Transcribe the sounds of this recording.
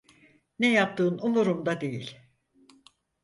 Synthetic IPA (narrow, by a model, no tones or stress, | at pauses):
nɛjap̚t̪ʰɯːnumuɾumd̪ad̪e̞jḭlʲ